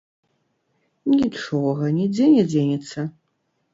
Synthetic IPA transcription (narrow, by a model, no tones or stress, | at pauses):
nʲiʈ͡ʂɔɣɐnʲid͡zʲenʲɛd͡zʲenʲɛsɐ